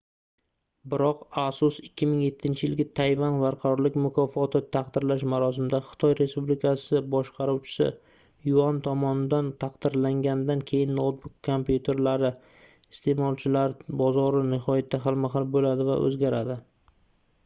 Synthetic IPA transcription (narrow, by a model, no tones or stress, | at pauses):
bɪɾɒqasʊsɪkʲːɪmɪŋje̞t̪ʰːɪnt͡ʃʰɪjɪlɡʲɪt̪ʰajvanbaɾqʰɑɾɒɾlɪkʲmʊkʰɒfɒt̪ʰɪt̪ʰaqd̪ɪɾlaʃmaɾɒsɪmd̪aχɨ̥t̪ʰɒjɾe̞spublɪkʰasɪbɒʃqʰɑɾuwt͡ʃʰɪ̥sɪ̰ | jʊant̪ʰɒmɒnɪd̪ant̪ʰaqd̪ɪɾlaŋɡʲand̪ankʲʰe̞jɪnːowt̪̚bʊkʰːompjut̪ʰe̞ɾlaɾɪ | ɪst̪ʰe̞mɒlˠt͡ʃʰɪlaɾbɒzɒɾɪnɪɦɒjat̪ʰːaɦalˠmaɦalˠbolad̪ɪva̰ʔɵ̰zɡʲaɾad̪ɪ